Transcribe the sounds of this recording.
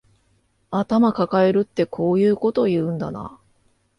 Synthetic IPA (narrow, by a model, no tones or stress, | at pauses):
at̪amakakae̞ɾɯ̟t̪ːe̞kʰo̞ːjɯ̟ːko̞t̪o̞jɯ̟̃ːnd̪a̰na̰